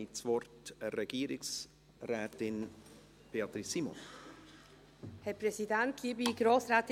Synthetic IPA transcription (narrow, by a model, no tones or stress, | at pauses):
it͡svɔɾtreɡiːɾɪks | rɛːt̪ɪn | b̥eːɑt̪ɾisiːmɔ̰n | hɛɾpʰɾɛsid̪ɛnt̪̚ɡ̥iːbiɡɾoːsɾaːt̪